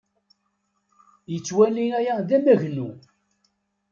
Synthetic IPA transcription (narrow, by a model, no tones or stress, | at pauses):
jət͡sːwælijæjæðæmæʝnu